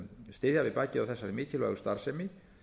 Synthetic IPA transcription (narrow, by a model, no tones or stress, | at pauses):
st̪ɪːðjavɪðpaːcɪawθɛsːaɾɪmɪːcʰɪlvɛ̰ɣʏ̥st̪aɾ̥sɛmɪ